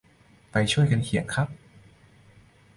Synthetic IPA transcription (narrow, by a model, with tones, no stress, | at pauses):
pa˧jt͡ɕʰu˥˩əjka˧nkʰi˨˩˦ŋkʰɾa˦˥p̚